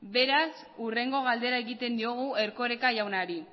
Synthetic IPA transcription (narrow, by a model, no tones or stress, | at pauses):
be̞ɾas | ure̞ŋɡo̞ɣald̪e̞ɾaeɣit̪e̞nd̪io̞ɣ̞ue̞ɾko̞ɾekajawnaɾi